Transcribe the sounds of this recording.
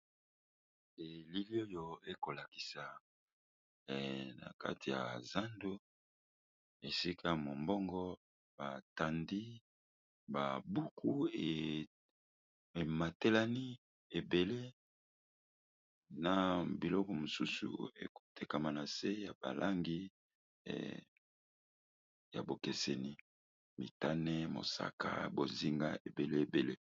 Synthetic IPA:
e˨li˦li˦o˦jo˨e˦ko˨la˨ki̥˨sa˨ | na̰˨ka̰˦ti˨ja̰˨za˦ndo˦ | e˨si˦kʰa˦mo˨mbɔ˦ŋɡɔ˦ | b̥a˨ta˨ndi˦ | ba̰˨bu˦kʰu˦e˨ | e˨ma˨te˦la˦ni˦ | e˨be˨le˦ | na˨bi˨lɔ˦kɔ˨mo˨su˦sṵ˨ḛ˨ko̥˨te˨ka˨ma˨na˨se˦ja˨ba̰˨lʔa˦ŋɡḭ˦˨ | ja̰˨bo˨ke˨se˨ni˦ | mḭ˨ta˦nɛ˦mo̰˨sa̰˦ka̰˦˨bo˨zi˦ŋɡa̰˦e˨be˨le˦e˨be˨le˦

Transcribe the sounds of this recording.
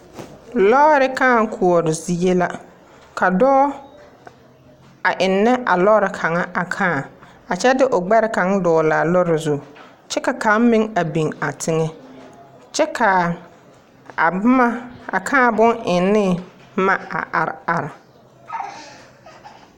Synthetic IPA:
lɔː˦ɾɪ˨kãː˦˨ŋ˦kʰu˨ɔ˨ɾʊ˨zi˨e˦la˦ | kʰa˨dɔː˦ | a˨ʔɪ˨nːɛ˦ʔa̰˨lɔ˦ɾɪ˨kʰa˨ŋa˦ʔa˨kʰãː˦˨ | a˨t͡ʃɛ˦dɪ˦ʔo˨ɡ͡bɛ˦ɾɪ˦ka˨˦ŋdɔː˨laː˨lɔ˦ɾɪ˨zʊ˦ | t͡ʃɛ˦ka˨kʰa˨˦m˦mɪ˦ŋa˨bi˨ŋa˨tʰɪ˦ŋɛ˦ | t͡ʃɛ˦kʰa˨ | a˨bma˦a˨kʰã˦˨bʊ˦ŋʔɪ˨nːɪ˦˨ | ma˦a̰˨ʔa˨ɾɪ̰˨a˨ɾɪ˨

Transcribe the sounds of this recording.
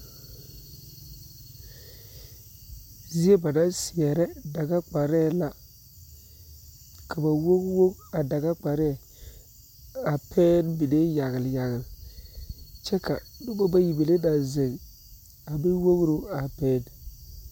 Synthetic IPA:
zi˦e˦ba˨da˦nsɪ˨ɛ˨ɾɛ˦da˨ɡa˦k͡pa˨ɾɛ˦˨la˨ | kʰa˨ba˨wo˦ɡwo˦ka˨da˨ɡa˦k͡pa˨ɾɛ˦ɛ˨ | a˨pʰɛː˦nbi˨de˦ja˨ɣɪ˨lja˨ɣɪ˨l | t͡ʃɛ˦ka̰˨dʊ˦ba˦ba˦ji˨be˨le˦da˨ze˨ŋ | a˨bi˦wo˦ɣɾo˦a˨pɛː˦n

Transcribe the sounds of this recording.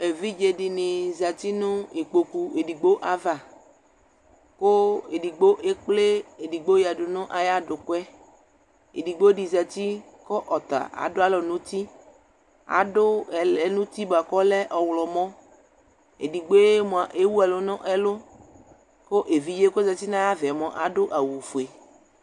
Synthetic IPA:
e˨vi˦d͡ʒe˨di˨nɪ˨za˨t̪i˦nʊ̃˦e˨k͡po˨ku˨e˨di˨ɡ͡bo˦ʔa˨va˨ | ko˦e˨di˨ɡ͡bo˦ʔe˦k͡ple˦e˨di˨ɡ͡bo˦ja˨ɖʊ˨nʊ̃˦ʔa˨ja˦ɖʊ˨kwɛ˦ | ḛ˨di˨ɡ͡bo˦di˨za˨t̪i˦ | kɔ˦ʔɔ˨t̪a̰˨ʔa̰˨dʊ˦a˦lɔ˨nũ˦t̪i˦ | a̰˨ɖʊ˦ɛ˨lɛ˨nũ˦t̪i˦ba˨kɔ˦lɛ˦ʔɔ˨wlɔ˨mɔ̃˦ | ḛ˨di˨ɡ͡bo˦e˦mõ˨a˨ʔe˦wu˦ɛ˨lo˦nɔ̃˦ʔɛ˦lo˦ | ko˦ʔe˨vi˨˦je˦ko˦zɛ˨t̪i˦nã˦ja˦vɛ˨mɔ̃˨ʔa̰˨ɖʊ˦ʔa˨wu˨fo˨e˨

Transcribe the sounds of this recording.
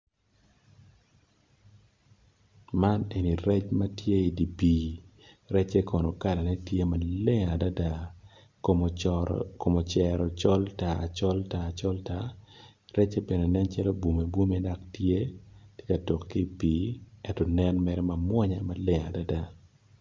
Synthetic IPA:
ma˦ne˨ni˨ɾɛ˦t͡ʃma˦tje˦i˨di˨piː˨ | ɾɛ˦t͡ʃe˦kɔ˨no˨ka˦la˨nɛ˦tje˦ma˨le˦a˨da˦da˦ | ko˨mo˨t͡ʃɛ˨ɾɔ˨t͡ʃɔ˦lta˨a˨t͡ʃɔ˦ltaː˨t͡ʃɔ˦lta˦ | ɾɛ˦t͡ʃe˦bɛ˨ne˨nɛ˦nt͡ʃɛ˦lo˦bwu˨me˨bu˦mɛ˦da˦ktje˦tje˦ka˨tɔ˨kːi˦˨piː˨˦ɛ˦tɔ˨nɛ˦nmɛ˨ɾɛ˦ma˨mwɔ˦ɲa˨ma˨le˦ŋa˨da˦da˦

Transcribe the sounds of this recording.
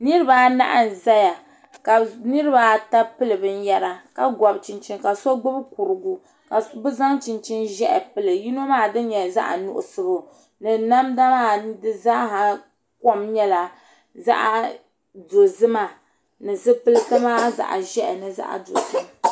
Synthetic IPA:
nɨ˦ɾɨ˦ba˨na̰˦ʔa˦˨n˨za˦ja˨ | ka˨nɨ˦ɾɨ˦ba˦ta˦pɨ˦lɨ˨bɨ˦n̩˦jɛ˦ɾa˨ka˨ɡʷɔ˨bt͡ʃi˨nt͡ʃi˦nka˨so˦ɡ͡bʊ˦bku˨ɾɨ˨ɡu˨ | ka˨bʊ˦za˦ŋt͡ʃi˨nt͡ʃɪ˦nʒɛ˦ʔɛ˨pɨ˦lɨ˨ji˦no˦maː˦dɨ˦n˦ɲɛ˨za̰˦ʔa̰˨nʊ̰˨ʔʊ̰˨sɨ˨bʊ˨ | nɨ˨na˦mda˦maː˦˨dɨ˦za˦ɦa˨ | ko˦mɲɛ˦la˨ | za̰˦ʔa˨ | do˨zɨ˦ma˨ | nɨ˨zɨ˦pɨ˦lɨ˦ta˦maː˦za̰˨ʔa̰˨ʒɛ˦ʔɛ˨nɨ˨za̰˦ʔa̰˨do̰˨sɨ˦b

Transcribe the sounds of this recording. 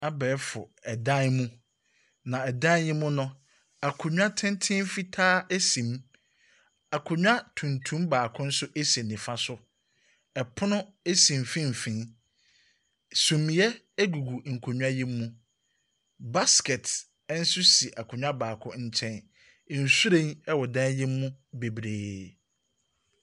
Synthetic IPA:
a˦bɛ˨˦fʊ˨ɛ˨dã˦nmũ˦ | nã˨ɛ˨dã˦jĩ˦mːʊ̃˦nʊ̃˦ | a˨kʰʊ˨ɲᶣ˦a˦tʰɪ̃˦ntʰɪ̃˦m˦fi˦tʰaː˦ʔe˦sĩ˨m | a˨kʰʊ˨ɲᶣ˦a˦tʰũ˨ntʰũ˦mbaː˨kʰʊ̃˦n̩˦sʊ˦ʔe˦se˨nɪ̃˨fa˦sʊ˦ | ɛ˨pʰʊ˦nʊ̃˦e˦sĩ˨m˨fĩ˦m̩˨fĩ˨n | sũ˨mĩ˨jɛ˦ | ɡu˨ɡu˨ŋ̩˨kʰo˨ɲᶣ˦a˦jĩ˦mːũ˦ | ba˦skɛ˨t | n̩˦sʊ˦si˨ʔa˨kʰʊ˨ɲᶣ˦ã˦baː˨kʰʊ̰̃˦ɲ̩˦t͡ɕʰɛ̃˦n˨ | n̩˨su˦ɾẽ˦˨nɛ˦wɔ˨dã˦ji˦mːũ˦be˨bɾeː˨

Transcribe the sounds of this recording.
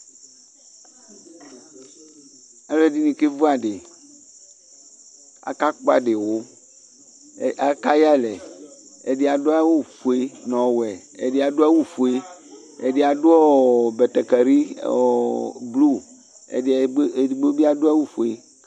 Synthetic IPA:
e˦le˦di˦nĩ˨ke˦vo˦a˨ɖe˨ | a̰˨ka˦k͡po˦a̰˦ɖe˨wo˦˨ | a˨ka˦ja˦lɛ˨e˨de˨a˨do˦a˦wu˦fu˨e˦nɔ̃˨wɛ˨ḛ˨de˦a˨do˦a˦wu˦fu˨e˦ | ḛ˨de˨a˨do˦ɔ˦bɛ˨t̪ɛ˨kɛ˨ɾi˦˨ | blṵ˦˨˦ | i˨ɡ͡bo˦bi˦a˨do˦a˦wu˦fu˨e˨

